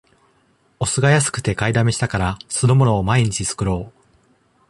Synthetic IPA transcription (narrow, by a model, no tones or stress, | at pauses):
o̞sɨɡajas̬ɨ̥kɯ̟̥t̪e̞kaid̪ame̞ɕi̥t̪akaɾasɨd̪o̞mo̞no̞ːmaiɲ̟it͡ɕisɨ̥kɯ̟ɾo̞ː